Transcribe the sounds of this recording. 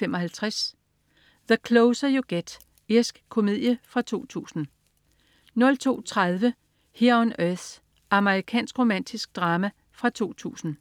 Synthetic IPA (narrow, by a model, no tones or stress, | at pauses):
emɒ̽ɦælt͡sʰʁas | ðəkʰloʊsɐjoɡ̥ed̥ | eɐsɡ̥kʰːo̝mið̰ˠjəfʁɑ̈t͡sʰo̝̰ːt͡sʰṵːsn̩ | nɔ̽lt͡sʰo̝̰ːt͡sʰʁað̞ˠʋə | heɐɒnøθ | ʔɑ̈məʁikʰɛ̰ːnsɡ̥ʁo̝mæn̰d̥isɡ̥̚d̥ʁɑ̈ːmæ | fʁɑ̈t͡sʰo̝̰ːt͡sʰṵːsn̩